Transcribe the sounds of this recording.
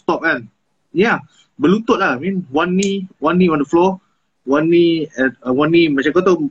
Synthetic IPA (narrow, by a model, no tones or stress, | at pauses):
st̪ɔp̚ãn | ja | bəlut̪ot̚laamĩnwãnːiwãnːĩɔ̃ndəflɔ | wãnːĩɛəwãnːimat͡ʃãkot̪o